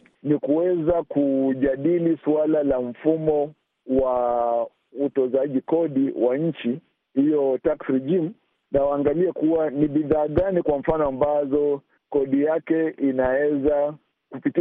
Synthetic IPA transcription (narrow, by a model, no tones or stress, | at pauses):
nikuwɛzakuʄaɗilisualalam̩fumɔ | wa | utɔzaʄikɔɗiwaɲ̩t͡ʃi | hijɔtaksɾiʄim̩ | nawaːŋɡaliɛkuwaniɓiðaːɠanikwaɱ̩fanɔambazɔ | kɔɗijakɛinawɛza | kupiti